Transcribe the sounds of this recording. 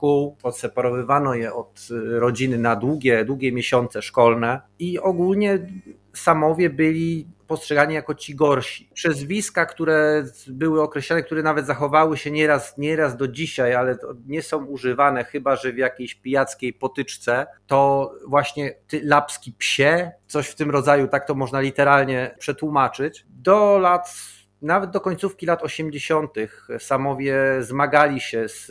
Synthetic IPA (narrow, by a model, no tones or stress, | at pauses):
kuwɔt̪sɛpaɾɔvɘvanɔjɛʔɔt̪ɾɔd͡ʑinɘnad̪wuɡʲɛd̪wuɡʲjɛmʲjeɕɔnt̪sɛʂkɔlnɛiɔɡulɲɛ | samɔvʲjɛbɘlʲipɔstʂɛɡaɲijakɔt͡ɕiɡɔɾɕi̥pʂɛzvʲiskakt̪uɾɛbɘwɘɔkɾɛɕlɔnɛkt̪uɾɛnavɛt̪zaxɔvawɘɕɛɲɛɾasɲɛɾazd̪ɔd͡ʑiɕajalɛt̪ɔɲɛsɔ̃w̃uʐɘvanɛxɘbaʐɛvʲjakʲejɕpʲijat̪skʲejpɔt̪ɘt͡ʂt̪sɛt̪ɔvwaɕɲɛt̪ɘlapskʲipɕɛt̪sɔɕft̪ɘmɾɔd̪zajut̪ak̚t̪ɔmɔʐnalʲit̪ɛɾalɲɛpʂɛt̪wumat͡ʂɘt͡ɕ | d̪ɔlat̪ | navɛd̪̚d̪ɔkɔɲt̪sufkʲilat̪ɔɕɛmd͡ʑeɕɔnt̪ɘxsamɔvʲjɛzmaɡalʲiɕɛs